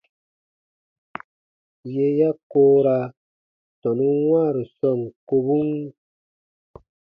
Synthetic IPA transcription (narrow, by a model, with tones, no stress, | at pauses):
je˦ja˦koː˦ɾa˦ | tɔ˨nu˦ŋwa˦˨ɾi˨sɔ˦˨ŋko˦bu˦ŋ